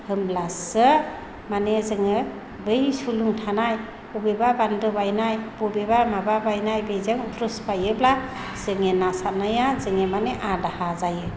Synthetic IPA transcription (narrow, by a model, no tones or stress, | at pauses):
hɯmlasɯ | manezɯŋɯ | bɯjsuluŋtʰanaj | ubebabandɯbajnajb̥ubebamababajnajbezaŋutʰɾuspajɯbla | z̥ɯŋenasat̚najazɯŋemaneʔadahazajɯ